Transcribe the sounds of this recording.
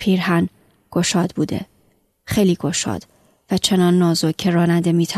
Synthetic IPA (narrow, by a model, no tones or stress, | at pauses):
pʰiːɾɦæn | ɡ̥o̞ʃɒːd̪̥buːd̪ḛ | xejliːɡ̥o̞ʃɒ̰ːd̪̥ | væt͡ʃʰe̞nɒːnːɒːzocʰe̞ɾɒːnænd̪e̞miːt̪ʰæ